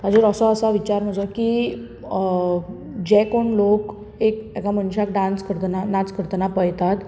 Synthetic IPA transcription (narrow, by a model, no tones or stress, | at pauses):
ad͡ʑəɾəsɔəsaʋit͡ɕaɾm̤əd͡zəki | d͡ʑɛkoɳlok | ekɛkaməɳɕak̚ɖãnskəɾt̪ənanat͡skəɾt̪ənapəjt̪at̪